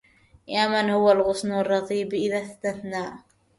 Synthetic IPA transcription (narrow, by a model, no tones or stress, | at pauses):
jaːmanhʊwalɣʊsˤnarˤːɑt̪ˤiːbʔɪðast̪aθnaːʔ